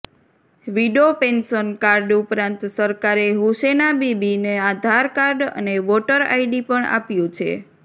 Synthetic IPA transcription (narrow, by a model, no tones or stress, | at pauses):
ʋiɖopensənkaɾɖupɾãnt̪səɾkaɾeɦuʃenabibinead̪ʱaɾkaɾɖə̰neʋoʈəɾa̰iɖipəɳa̰pjũt͡ʃʰḛ